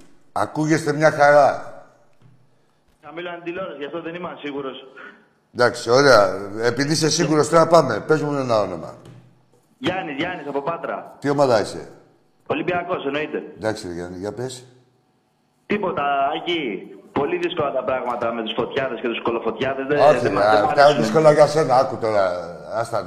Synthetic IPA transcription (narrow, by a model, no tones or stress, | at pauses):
ɐ̰kuʝe̞st̪e̞mɲɐxɐɾɐ | kɐmilonɐd̪iloɾɐsʝɐft̪oðenimɐnsiɣuɾo̞s | d̪ɐksioɾeɐepiðis̬e̞siɣuɾo̞st̪oɐpɐme̞pe̞zmunenɐo̞no̞̰mɐ̰ | ʝɐnizʝɐnisɐpo̞pɐt̪ɾɐ̰t̪io̞mɐðɐise̞̰ | po̞libiɐko̞seno̞it̪e̞nd̪ɐksiðʝɐ̰niʝɐpes | t̪ipo̞t̪ɐːcipo̞liðisko̞lɐt̪ɐpɾɐɣmɐt̪ɐmet̪usfo̞t̪çɐðe̞scet̪uskolofo̞t̪çɐðezðeoiiɐuðisko̞lɐʝase̞nɐɐkut̪o̞ɾɐ | ɐst̪ɐ